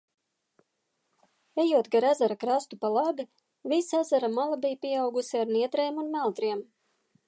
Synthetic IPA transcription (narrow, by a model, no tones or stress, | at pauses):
ejuɔt̪̚ɡaɾazaɾakɾast̪upalˠabi | visazaɾamalˠabʲijpʲiɛawɡusiaɾniɛt̪ɾɛjmunmælˠt̪ɾiɛm